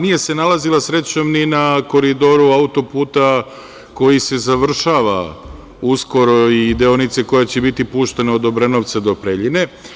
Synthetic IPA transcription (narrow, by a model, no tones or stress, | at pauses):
nije̞se̞nalazilˠasɾe̞t͡ɕo̞mninako̞ɾid̪o̞ɾuaut̪o̞puːt̪a | ko̞jise̞zaʋr̩ʃaːʋa̰ | usko̞ɾo̞id̪eonit̪seko̞jat͡ɕe̞bit̪ipuːʃt̪enaod̪o̞bɾe̞no̞ʋt̪sad̪o̞pɾe̞ʎine̞